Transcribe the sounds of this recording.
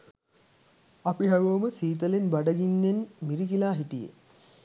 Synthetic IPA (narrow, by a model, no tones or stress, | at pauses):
ɐpiɦɐʋoʋməsiːt̪̬əlenbaɖɐɡinːenmiɾikilaːɦiʈijḛ